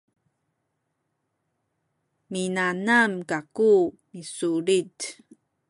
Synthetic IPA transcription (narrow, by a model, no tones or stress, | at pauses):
minanamkaku | misuɾit